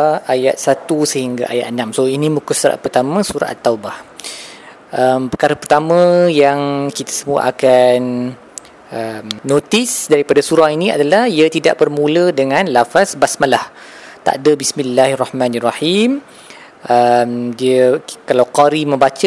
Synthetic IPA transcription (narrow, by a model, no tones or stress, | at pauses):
ajat̪̚sat̪usəhiŋɡa̰ʔa̰ja̰t̪̚ənãmsoinĩmukusuɾa̰ʔpərt̪amə̃suɾa̰ʔat̪ːawbah | əmpəkaɾapərt̪amə̃jaŋkit̪ḁsəmua̰ʔakan | əmnõt̪isdaɾipadasuɾahinĩa̰dalahiat̪ida̰ʔbərmulədəŋãnlafasbasmalah | t̪a̰ʔdabismilːaharɑhmãnarɑhim | ʔəmdiəkalawqaɾimə̃mbat͡ʃə